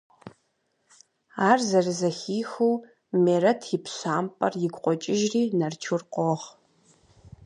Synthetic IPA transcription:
aːrzɐrɨzɐxiːxuw | meːɾɐtʰjɪpʰɕaːmpʼɐrjɪɡʷʼqʷʼɔt͡ʃʼɪʒriːnɐrt͡ʃʰurqʷʼɔʁ

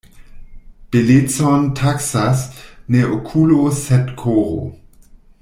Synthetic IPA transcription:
b̥elet͡sontʰaksasneokʰulosɛtkʰoɾo̰

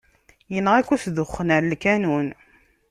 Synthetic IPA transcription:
jənʁækʷːusðʊχːənəɾlkænun

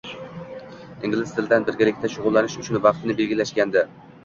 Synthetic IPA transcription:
ɪŋʲɡʲlɪzt̪ʰɪld̪anbɪɾɡʲalɪk̚ʲt̪aʃʊʁʊlˠːanɪʃʊt͡ʃʰʊnvɑqt̪ʰɪnɪbe̞lɡʲɪlaʃkʲand̪ɪ

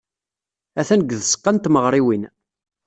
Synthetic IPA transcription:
æθænəɡːðəsə̥qːənt̪məʁɾˤiwin

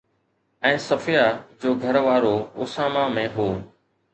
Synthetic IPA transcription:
ɛ̃ːsəfɪjaːd͡ʑoːɡʱəɾʋaːɾoːʊsaːmamẽɦoː

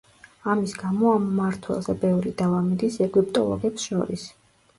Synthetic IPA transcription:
amisɡamɔamːaɾt̪ʰwɛ̰lˠzɛbɛvɾid̪avamid̪isɛɡipʼt̪ʼɔ̰lˠɔ̰ɡɛpsʃɔ̰ɾis

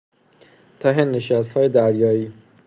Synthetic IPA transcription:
t̪ʰæɦenːeʃæst̪hɒːjed̪æɾjɒːiː

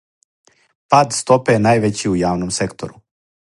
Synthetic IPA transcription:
paːd̪st̪o̞penaːjʋet͡ɕiujaːʋnomse̞kt̪o̰ɾu

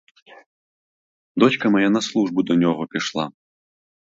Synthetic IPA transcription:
d̪ɔt͡ɕkɐmajanɐslˠuʐbud̪ɐnʲɔɣɔpʲiʂlˠa̰

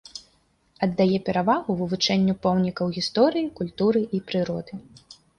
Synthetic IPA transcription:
ɐd̪ːajɛpʲɛɾavaɣuvɨvut͡ʂɛnʲːupɔwnʲikɐwɣʲist̪ɔɾɨjikulʲt̪uɾɨʔipɾɨɾɔd̪ɨ

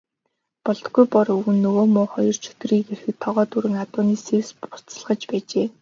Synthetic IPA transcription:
pɔɮt̪ɡujpɔɾɵɣɘ̆nːɵɣoːmʊːχɔjɞ̆r̥t͡ɕʰɵ̥t̪̆riːɡerxɘ̆k̚t̪ʰɔʁɔːt̪uɾɘ̆ŋat̪ʊːniːsewspʊ̥t͡sə̥̆ɮʁə̆t͡ɕpæːt͡ɕeː

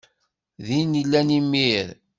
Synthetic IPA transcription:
ðinilːænimːiɾ

